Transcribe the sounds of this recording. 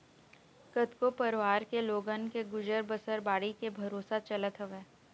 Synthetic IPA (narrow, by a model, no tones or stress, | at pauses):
kət̪kopəɾʋaːɾkeloːɡənkeɡʊd͡ʒəɾbəsəɾbaːɽikebʱɐɾoːsat͡ʃɐlət̪ɦɐʋeː